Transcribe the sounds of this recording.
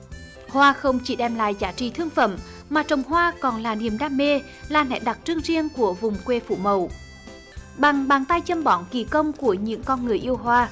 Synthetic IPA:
hwaː˧xə˧wŋ͡mt͡ɕi˧˩ɗɛ˧mla̰ː˧˨jzaː˧˩t͡ɕḭ˧˨t̪ʰɨ˧əŋfə̰˧˩m | maː˨˩t͡ɕə˨˩wŋ͡mɦwaː˧kɔ˨˩nlaː˨˩ni˨˩əmɗaː˧˥mːe˧ | laː˨˩nɛ̰˧˥ɗa˨˩t̚t͡ɕɨ˧əŋzi˧ənku˧˩əvʊ˨˩ŋ͡mkwe˧fṵ˧˩mə˨˩w | ɓa˨˩ŋɓaː˨˩ŋt̪a˧jt͡ɕə˧mɓɔ˧˦nki˧˩kə˧wŋ͡mku˧˩əɲɨ̰˧˥ŋkɔ˧nŋɨ˨˩əjʔi˧əwɦwaː˧

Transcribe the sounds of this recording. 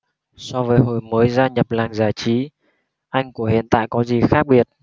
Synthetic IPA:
sɔ˧vəː˨˦jɦo˧˩jməː˨˦jzaː˧ɲə˨˩p̚laː˨˩ŋzaː˧˩jt͡ɕi˨˦ | ʔa˧jŋku˧˩əhḭ˧˨ənt̪a̰ː˧˨jkɔ˨˦zi˨˩xaː˦˥k̚ɓi˨˩ət̚

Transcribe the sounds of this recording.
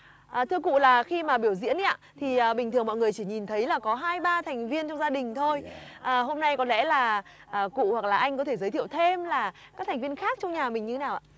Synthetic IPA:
ʔəː˨˩t̪ʰɨ˧əkṵ˧˨laː˨˩xi˧maː˨˩ɓi˧˩əwzḭ˧˥əni˧˦ʔa̰ː˧t̪ʰi˨˩ʔəː˨˩ɓï˨˩ŋt̪ʰɨ˨˩əŋmɔ̰˧˨ŋɨ˨˩əjt͡ɕi˧˩ɲi˨˩nt̪ʰə˨˦jlaː˨˩kɔ˨˦ɦaː˧jɓaː˧t̪ʰa˨˩ŋ̟vi˧ənt͡ɕɔ˧wŋ͡mzaː˧ɗï˨˩ŋ̟t̪ʰo˧jʔəː˨˩ho˧mna˧jkɔ˨˦lɛ̰˧˥laː˨˩ | ʔəː˨˩kṵ˧˨hwa˨˩k̚laː˨˩ʔa˧jŋ̟kɔ˨˦t̪ʰe˧˩zəː˨˦t̪ʰḭ˧˨əwt̪ʰe˧mlaː˨˩ | kaː˦˥k̚t̪ʰŋ̟vi˧ənxaː˦˥k̚t͡ɕɔ˧wŋ͡mɲaː˨˩mï˨˩ŋɲɨ˧t̪ʰe˨˦naː˨˩wʔa̰ː˧˨

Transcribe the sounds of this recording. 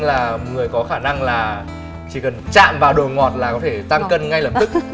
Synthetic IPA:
laː˨˩ŋɨ˨˩əjkɔ˨˦xaː˧˩na˧ŋlaː˨˩ | t͡ɕi˧˩kə˨˩nt͡ɕa̰ː˧˨mvaː˨˩wɗo˨˩ŋɔ˨˩t̚laː˨˩kɔ˨˦t̪ʰe˧˩t̪a˧ŋkə˧nŋa˧jləː˨˩p̚t̪ɨ˦˥k̚

